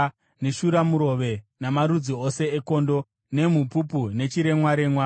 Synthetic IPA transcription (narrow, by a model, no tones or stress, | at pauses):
ne̞ʃuɾamuɾo̞ʋe̞namaɾud͡ziose̞ːko̞ndo̞ | ne̞mupupune̞t͡ʃiɾe̞mwaɾe̞mwa